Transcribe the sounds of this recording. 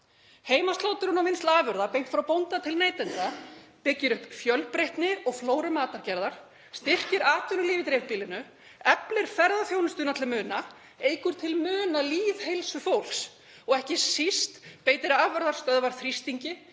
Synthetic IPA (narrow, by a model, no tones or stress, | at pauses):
heːjmast̪loːwt̪ɪɾunamɪnst̪laːvʏɾðapejn̥t̪fɾawpownt̪at̪ʰɪlneːjt̪ɪnt̪apɪcːɪɾʏhpfjœlpɾejht̪nɪɔɣfloːwɾʏmaːt̪aɾcɛɾðaɾ̥ | st̪ɪr̥cɪɾaːt̪ʰʏnʏliːvɪt̪ɾɛːvpiːlɪnʏ | ɛplɪɾ̥fɛɾðaθjownʏst̪ʏːnat̪ʰlɪlmʏːna | eːjkʏɾ̥t̪ʰɪlmʏːnaliːðhejlsʏfowl̥s | ɔɣɛhcɪsist̪peːjt̪ɪɾaːvɛɾðaɾ̥st̪œðvaɾ̥θɾist̪iɲcɪ